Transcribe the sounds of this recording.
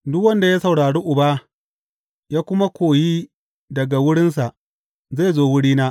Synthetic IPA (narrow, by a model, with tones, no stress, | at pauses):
dʊ˦kwɐ˦nda˨jaː˦sɐ˨wɽaː˨ɽeː˦ʔʊ˨baː˦ | jaː˦kʷʊ˦ma˦kʷʰoː˨jiː˦ | dɐ˨ɡa˨wʊ˦ɽɪ˦ns̬a˨ʔ | za˦˨zoː˦wʊ˦ɽiː˦naː˦ʔ